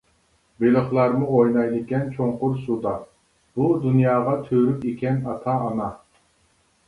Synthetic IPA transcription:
belɨχlˠɑɾmuojnɑjlɨkʲɛnt͡ʃʰoɴqʊɾsud̪ɑ | b̥ud̪unjɑːʁɑt̪ʰøɾykekʲʰɛnɑt̪ʰɑːnɑ

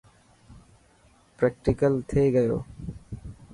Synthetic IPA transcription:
pɾek̚ʈikəlt̪ʰeeɡəjo̰ː

